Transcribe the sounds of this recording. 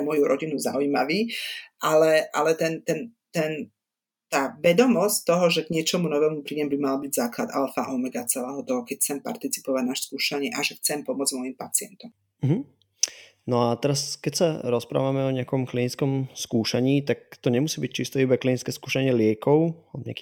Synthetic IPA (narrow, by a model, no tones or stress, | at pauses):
mʊɔjuɾʔɔɟinuza̰uiːma̰ʋiːʔalɛʔa̰lɛt̪ɛnt̪ɛnt̪ɛn | t̪aːʋɛd̪ɔmɔsct̪ɔɦɔʒɛɡɲɪɛt͡ʃɔmunɔʋɛːmupɾiːjɛmbimalbiɟzaːklad̪a̰lfa̰ʔɔmɛɡat͡sɛlɛːɦɔt̪ɔɦɔkɛcxt͡sɛmpa̰ɾt̪it͡si̥pɔʋaɟnaːʃskuːʃaɲɪɛʔaʒɛxt͡sɛmpɔmʊɔd͡zmɔjimpa̰t͡sɪɛ̰nt̪ɔm̩ | ɦ̩ | nɔat̪ɛɾaskɛcsaɾɔspɾa̰ːʋamɛɔɲɛakɔmklinit͡skɔmskuːʃaɲiːt̪ak̚t̪ɔɲɛmusiːbic̚t͡ʃist̪ɛibaklinit͡skɛːskuːʃaɲɪɛlɪɛkɔʊabɲɛ̰a̰ki